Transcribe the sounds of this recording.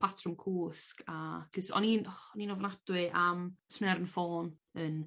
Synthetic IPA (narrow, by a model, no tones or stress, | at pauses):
pʰatʰrəmkʰuːskʰakʰəsɔ̰ninɔninɔvnad̥wɨʔamsnɛɾnfoːn | ən